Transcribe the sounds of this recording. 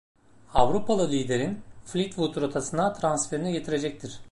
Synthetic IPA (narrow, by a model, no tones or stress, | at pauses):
avɾupʰalˠɯlʲijd̪eɾinflʲit̪vut̪ʰuɾot̪ʰasɯnat̪ʰɾansfe̞ɾiniɟe̞t̪ʰiɾe̞d͡ʒɛc̚t̪ʰiɾ̥